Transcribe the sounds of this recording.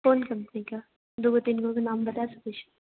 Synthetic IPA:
foːnkɐmpənika | d̪oɡot̪ɪnkõkanaːmbɐt̪asɐket͡ʃʰe̥

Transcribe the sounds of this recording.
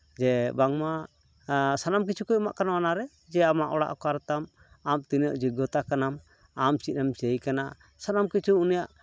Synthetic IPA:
d͡ʒɛbaŋma | sanamkit͡ʃʰukɔjma̰ʔkanawanaɾɛ | d͡ʒɛamaʔɔɽa̰ʔkɔaɾt̪am | amt̪inɔʔd͡ʒiɡɔt̪akanam | amt͡ʃit̪̚namt͡ʃejkana | sanamkit͡ʃʰuunijaʔ

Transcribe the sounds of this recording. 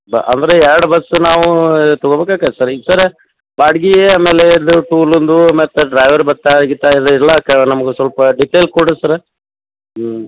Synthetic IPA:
bɐ̰ʔɐ̰nd̪ɐɾeɛɾɐɽubɐsːunaːʋut̪ɔɡobeːkaːkasɐɾid̪sɐɾe | baːɽiɡieaːmeːled̪uʈuːlond̪umeːt̪ɐɖɾɐjʋɐɾbɐt̪ːaɡit̪ːaiɾɐiɾlɐkːɐnɐmɐɡesɐlpɐɖiʈːelkoɽɐsɐɾe

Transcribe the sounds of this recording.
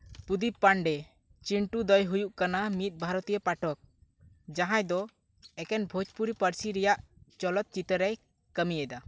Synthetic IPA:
pud̪ipːaɳɖɛ | t͡ʃiɳʈud̪ɔjɦujuʔkanamit̪̚ˀbʱaɾɔt̪ijɛpaʈɔk̚ | d͡ʒaɦãjd̪ɔ | ɛkɛnbʱod͡ʒpuɾipəɾsiɾɛjaʔt͡ʃɔlɔt̪̚t͡ʃit̪əɾɛj | kəmijɛd̪a

